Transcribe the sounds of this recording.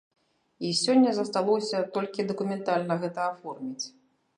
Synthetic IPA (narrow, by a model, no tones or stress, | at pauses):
isʲɔnʲːɐzɐst̪alˠɔwsʲɐt̪ɔlʲkʲid̪ɐkumʲɛnt̪alʲnɐɣɛt̪ɐafɔrmʲit͡sʲ